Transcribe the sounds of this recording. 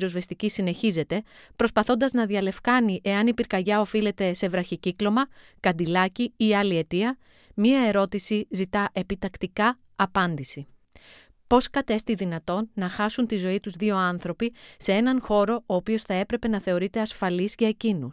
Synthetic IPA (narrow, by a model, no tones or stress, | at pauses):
ɾo̞zve̞st̪icisine̞çize̞t̪e̞ | pɾo̞spɐθo̞nd̪ɐznɐðiɐle̞fkɐniʔe̞ɐnipiɾkɐʝɐo̞file̞t̪e̞se̞vɾɐçiciklo̞mɐ | kɐnd̪ilɐciiɐlie̞t̪iɐ | mɲɐe̞ɾo̞t̪isizit̪ɐʔe̞pit̪ɐkt̪ikɐː | pɐnd̪isi | po̞skɐt̪e̞st̪iðinɐt̪o̞nːɐxɐsunt̪izo̞it̪uzðio̞ɐnθɾo̞pise̞e̞nɐnxo̞ɾo̞oːpio̞sθɐe̞pɾe̞pe̞nɐθe̞o̞ɾit̪e̞ɐsfɐlizʝɐe̞cinus